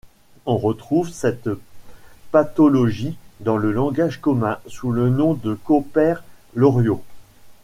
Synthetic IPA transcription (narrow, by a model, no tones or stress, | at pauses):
ɔ̃ʁət̪χuvsɛt̪ | pat̪ɔlɔʒid̪ɑ̃ləlɑ̃ɡaʒkɔmɛ̃sulənɔ̃d̪əkɔpɛʁlɔʁjo